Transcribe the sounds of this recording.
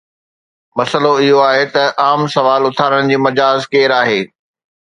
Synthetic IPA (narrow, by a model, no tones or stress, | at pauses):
mɐsəloɪɦoaːɦet̪ɐʔaːmsɐʋaːlʊt̪ʰaːɾəɽ̃d͡ʑiːmɐd͡ʑaːzkeːɾaːɦeː